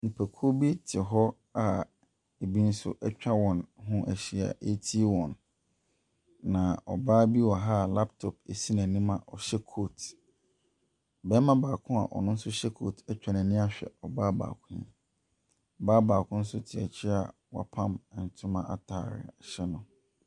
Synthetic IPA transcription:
nĩ˨pʰæ˨kʰo˦bi˦tʰɪ˨ɦɔ˦ | a˨ | e˨bi˦n̩˦sʊ̰˦ʔɛ˦t͡ɕᶣa˦wɔ̃˨nɦʊ̃˦ʔæ˨ɕi˨a̰˨ʔe˦tʰi˦wɔ̃˨n | ã˨ɔ˨baː˦bi˦wɔ˨ɦa˦˨la˦p̚tʰɔ˨p̚e˨si˦næ̃˨nĩ˦mã˨ʔɔ˨ɕɛ˦kʰo˦˨t | bɛ˦mã˦baː˨kʰʊ̃˦a̰˨ʔɔ̰˨nʊ̃˦n̩˦sʊ˦ɕɛ˦kʰo˦tʰɛ˦t͡ɕᶣa˨næ̃˨nĩ˦a˨ɕᶣɛ̰˨ɔ˨baː˦ba̰ː˨kʰʊ̃˦ɲɛ̰̃˨ | ɔ˨baː˦baː˨kʰʊ̃˦n̩˦sʊ˦tʰɪ˨æ̰˨t͡ɕʰɪ˦a̰˨ | wa̰˨pʰã˦mɛ˨n̩˨tʰʊ̃˦mã˦ʔa̰˨tʰaː˨ɾɪ̰˨ɕɛ˦nʊ̃˨

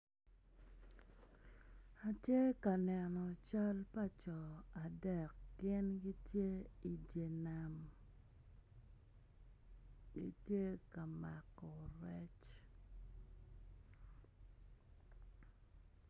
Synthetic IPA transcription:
a˨tje˦ka˨nɛ˨nɔ˨t͡ʃa˦lpa˦t͡ʃɔ˨a˨dɛ˨k̚ɡɪ˦nɡi˦tje˦i˨d͡ʒe˨na˨m | ɡḭ˦tje˦ka˨ma˨kɔ˨ɾɛ˦t͡ʃ

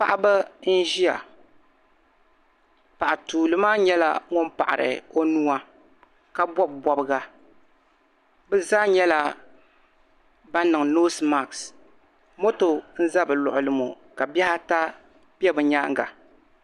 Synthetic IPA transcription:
pa̰˦ʔa˦bɨ˦n̩˦ʒi˦a̰˨ | pa˨ʔa˨tuː˨lɨ˨maː˦ɲɛ˦la̰˦ŋo˦mpa˨ʔa˨ɾɨ̰˨o˦nu˦a˦ | ka˦bɔ˦b̚bɔ˦bɨ˦ɡa˨ | bɨ˦zaː˦ɲɛ˦la˦ | ba˦n˦nɨ˨ŋnoː˦sma˨ks | mo˦to˨n̩˦za˦bɨ˨lʊ̰˨ʔʊ˨lɨ˨mo̰˨ | ka˨bɛ˦ha˦ta˦ | pɛ˦bɨ˨ɲaː˦ŋ˦ɡa̰˨

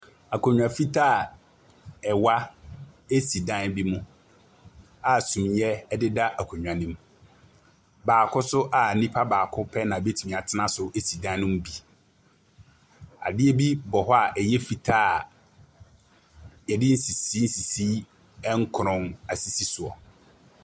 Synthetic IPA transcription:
a˨kʰo˨ɲᶣ˨ã˨fi˦tʰa˦˨ | ɛ˨wa˦ | e˦si˨dã˦nbi˦mʊ̃˦ | a˨sũ˨mjɛ˦ɛ˦dɪ˦da˦ʔa˨kʰo˨ɲᶣ˨ã˨nĩ˦m | baː˨kʰʊ˦sʊ˦ʔa˨nĩ˦pʰa˦baː˨kʰʊ˦pʰɛ˦nã˨be˦tʰi˨ĩ˨a˨tʰɪ˦nã˦sʊ˦ʔe˦si˨dã˦nʊ̃˦m˦bi˨ | a̰˨dɪ˦ɛ˦bi˦bɔ˨ɦɔ˦a˨ʔɛ˨jɛ˦fi˨tʰa˦˨ | jɛ˨dɪ˦n̩˦si˨si˦n̩˦si˨si˦ | ɛ˦ŋ̩˦kʰʊ˨ɾʊ̃˦na˨si˨si˦sʊ˨ɔ̰˨

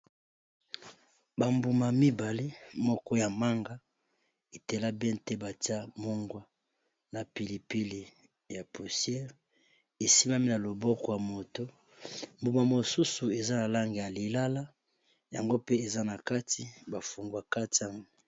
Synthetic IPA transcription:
ba˨mbu˨ma˨mi˦ba˨le˦mɔ˦kɔ˦ja˨ma˦ŋɡa˦ | e˨te˨la˦bɛ˦ntɛ˦ba˨ti˦a˦mo˦ŋɡwa˦ | na˨pi˨li˨pi˦li˨ | ja˨pu˨sjɛ˦ʁ | e˨si˦ma˦mi˦na˨lo˨bɔ˦kɔ˨ja˨mo˨to˦ | mbu˨ma˨mo˨su˦su˨e˨za˦na˨la˦ŋɡe˨ja˨li˨la˦la˦ | ja̰˨ŋɡo˦pe˦e˨za˦na˨ka˦tʰi˦ba˨fu˨ŋɡwa˨ka˦ti˨˦a˦ŋɡo˦

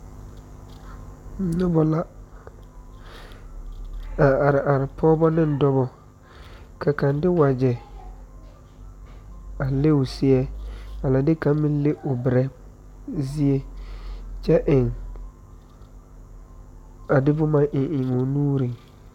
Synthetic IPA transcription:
nʊ˦bɔ˨la˦ | a˨a˨ɾɪ˨ʔa˨ɾɪ˨pʰɔː˦bɔ˦nɪ̃˦n˨˦dɔ˦bɔ˨ | kʰa˨ka˨ndɪ˦wa˨d͡ʒɛ˨ | a˨le˦ʊ˨sɪ˦ɛ˦a˨la˨dɪ˦ka˨˦mɪ̃˦n˦lɪ˦ʔʊ˨bɪ˨ɾɛ˦ | zɪ˦e˦ | t͡ʃɛ˦ʔɪ˨ŋ | a˨dɪ˦bʊ˦ma˦ʔɪ˨ʔɪ˨ŋʊ˨nuː˦ɾi˨ŋ

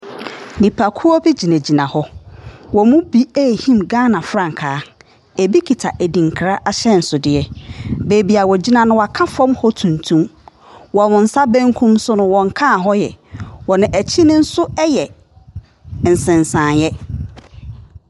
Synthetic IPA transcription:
nĩ˨pʰa˨kʰu˦ɔ˦bi˦d͡ʑi˨næ̃˨d͡ʑi˨nã˨hɔ˦wɔ˨mũ˦bi˦æ˦˨hĩ˦mɡãː˦nã˨fɾã˦˨ŋ̩˨kʰaː˨˦ | e˨bi˦kʰi˨tʰa˨ʔæ˨dĩ˨ŋ˨kʰɪ˨ɾa˦ʔa˦ɕɛ˦n̩˨sʊ˨dɪ˨ɛ˦be˨bi˨a˨wɔ˨d͡ʑi˦nã˨nʊ̃˦wa˨kʰa˦fɔ̃˦mhɔ˦tʰũ˨ntʰũ˦m | wɔ˨wʊ̃˨n̩˨˦sa˦bæ̃˦ŋkʰũ˦msʊ˦nʊ̃˨wɔ̃˨ŋ˨kʰã˦˨ɦɔ˦jɛ̰˨wɔ˨nɪ̃˨ʔæ˨t͡ɕʰi˦nʊ̃˦n̩˦sʊ˦ɛ˦jɛ˨ | n̩˨sɪ̃˨n˨sãː˨njɛ˦

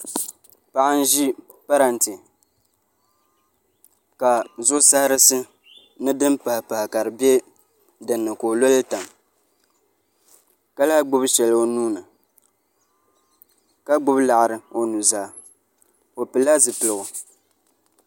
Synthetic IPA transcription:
pa˨ʔa˦n̩˦ʒi˦ | pa˦ɾa˨ntɨ˨ | ka˨zʊ˦sa˦hɾɨ˦sɨ˦ | nɨ˦dɨ˦mpa˨hpa˨hɪ˨ka˨ɾɨ˨bɛ˦ | dɨ˨nːɨ˨ko˨lo˦lɨ˦ta˨m | ka˦la˦ɡ͡bʊ˦bʃɛ˨lo˨nuː˦nɨ˨ | ka˦ɡ͡bʊ˦bla˨ʔɾɨ˨o˨nu˨zaː˨ | o˨pɨ˨la˦zɨ˨pɨ˨lɨ˨ɡʊ˨

